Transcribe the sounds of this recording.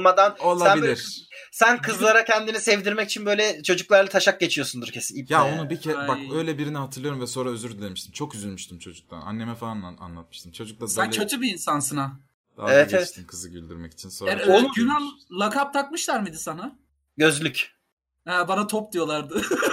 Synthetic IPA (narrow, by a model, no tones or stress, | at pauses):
mad̪anolˠaæilʲiɾ | sænkʰɯzlˠaɾacʰɛnd̪inisɛvd̪iɾmɛci̥t͡ʃʰinbø̞jlʲɛt͡ʃʰo̞d͡ʒuklˠaɾlˠat̪ʰaʃak̚ɟe̞t͡ʃʰijo̞sund̪uɾcʰesiijaonubicʰɛbaø̞jlʲɛbiɾinɛɦat̪ʰɯɾlˠɯjoɾumvɛso̞nɾaøzyɾd̪yd̪emiʃt̪imt͡ʃʰo̞kyzylʲmyʃt̪imt͡ʃʰo̞d͡ʒuk̚t̪ʰa̰na̰nːemɛfaana̰nlˠat̪̚mɯʃt̪ʰɯmt͡ʃʰo̞d͡ʒuk̚lˠasd̪at͡ʃʰat͡ʃʰɯbiinsansɯnḁ | aevɛt̪evɛʃt̪imkʰɯzɯɟylʲd̪yɾmɛci̥t͡ʃʰinsoɛɾoynamlˠakʰap̚t̪ʰak̚mɯʃlˠaɾmid̪isana | ɟø̞zlʲyc | hɛːbanat̪ʰop̚d̪ijo̞lˠaɾd̪ɯ